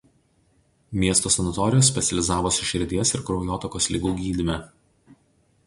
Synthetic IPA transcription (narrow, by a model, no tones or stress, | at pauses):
mʲiɛst̪oːsʲɛnɐt̪ɔɾʲɪjoːs̬ʲpʲɛt̪sʲɛlʲɪzɑːʋoːsʲʊʃʲɪɾʲd̪ʲiɛsɪɾkɾɔʊjoːt̪ɔkoːslʲiɡuːɡʲiːd̪ʲɪmʲɛ